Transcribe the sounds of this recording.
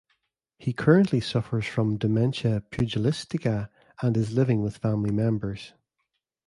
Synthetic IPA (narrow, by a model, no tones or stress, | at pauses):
hikʰɜ˞ə̃nʔlˠisʌfə˞z̥fɹə̃mdəmɛ̃nʃəpʰj̥ʉd͡ʒəlˠɪstɪkə | ə̃nɪzlˠɪvɪ̃ŋwɪð̥fãmlˠimɛ̃mbə˞z̥